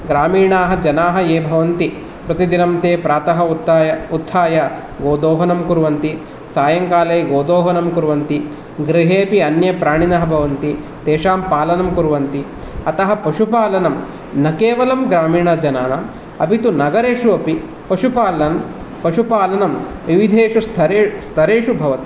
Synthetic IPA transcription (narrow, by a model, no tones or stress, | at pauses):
ɡɾaːmiːɳaːɦɐd͡ʒɐnaːɦɐeːbʱɐʋɐnt̪i | pɾɐt̪id̪inɐmt̪eːpɾaːt̪ɐɦɐt̪ːjɐut̪ʰːaːjɐ | ɡoːd̪oːɦɐnɐmkuɾuʋɐnt̪i | saːjɐŋkaːlejɡoːd̪oːɦɐnɐmkuɾuʋɐnt̪i | ɡɾiɦeːpiɐnjɐpɾaːɳinɐɦɐbʱɐʋɐnt̪i | t̪eːʃaːmpaːlɐnɐmkuɾʋɐnt̪i | ɐt̪ɐɦɐpɐʂupaːlɐnɐm | nɐkeːʋɐlɐmɡɾaːmiːɳɐd͡ʒɐnaːnɐ | ɐbʱit̪unɐɡɐɾeːʂuɐpi | pɐʂupaːlɐn | pɐʂupaːlɐnɐmʋiʋid̪ʱeːʂust̪ʰɐɾest̪ʰɐɾeːʂubʱɐʋɐt̪i̥